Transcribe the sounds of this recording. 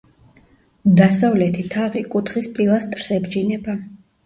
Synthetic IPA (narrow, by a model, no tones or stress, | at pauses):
d̪asavlɛt̪ʰit̪ʰaʁikʼut̪ʰχispʼilˠast̪ʼɾsɛbd͡ʒinɛba